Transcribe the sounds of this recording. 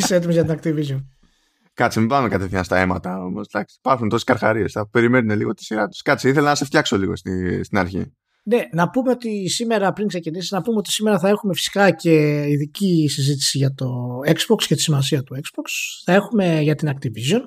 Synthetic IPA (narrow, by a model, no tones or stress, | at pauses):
iseet̪̬imezʝɐt̪inɐk̚t̪ivizo̞n | kɐt̪t͡simivɐmekɐt̪e̞θiɲɐst̪ɐe̞mɐ̰t̪ɐo̞mo̞̰sd̪ɐksi̥pɐθunt̪o̞siskɐɾxɐ̰ɾie̞sθɐpe̞ɾime̞nune̞liɣo̞t̪i̥siɾɐt̪u̥skɐt̪t͡siiθe̞lɐnɐse̞ft̪çɐkso̞liɣo̞̰st̪ist̪inɐɾçḭ | ne̞nɐpume̞o̞t̪isime̞ɾɐpɾiŋksecinisiznɐpumeo̞t̪isime̞ɾɐθɐe̞xume̞fi̥si̥kɐce̞iðicisizit̪̬i̥siʝɐt̪o̞e̞ksbokscet̪i̥simɐs̬iɐt̪ue̞kz̥boksθɐe̞xume̞ʝɐt̪inɐk̚t̪ivizo̞n